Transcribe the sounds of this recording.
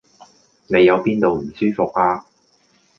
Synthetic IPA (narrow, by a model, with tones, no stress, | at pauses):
ne˨˧jɐ˨˧wpiː˥nt̪o˨wm̩˨˩syː˥fʊ˨k̚aː˧